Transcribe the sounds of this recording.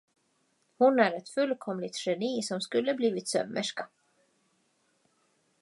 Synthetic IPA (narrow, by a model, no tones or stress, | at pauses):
hʊnæɾɛt̪fɵlːkʰɔmlɪt̪ʂɛniːsɔmskɵlːəbliːvɪt̪sœ̰mːəʂka